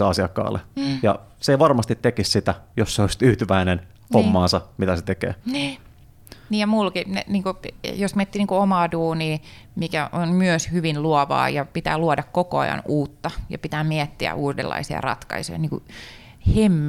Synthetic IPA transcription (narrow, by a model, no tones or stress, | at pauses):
ɑsiɑkːɑ̰ːlːḛjɑ̰ | seʋɑrmɑst̪it̪ːekissit̪æjosːeost̪yːt̪yʋæinen | homːɑːnsɑmit̪æset̪ekḛːniː | niːjɑmulkinḛniːŋkujosmiæt̪ːiːniːŋkuomɑːduːniː | mikæʔonmyøshyʋinluɔʋɑ̰ːjɑpit̪æ̰ːluɑdɑkkokoɑ̰jɑ̰nuːt̪ːɑjɑ̰pit̪æːmiɛt̪ːiæ̰ʔuːdḛlːɑ̰isiɑ̰rɑ̰t̪kɑ̰isojɑ̰niːŋkṵ | hemː